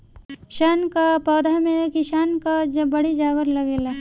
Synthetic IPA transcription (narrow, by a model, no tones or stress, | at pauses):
ʃaːnkapɔːd̪ʱamẽkɪʃaːnkad͡ʒbɐɽid͡ʒaːɡəɾlɐɡeːla